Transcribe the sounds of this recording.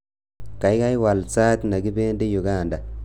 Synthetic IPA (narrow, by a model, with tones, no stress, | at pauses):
ka˨jɡa˦jwa˨lt͡sa˦t̪na˨ɡi˦be˦ndi˦ju˨ɡa˦˨nda˨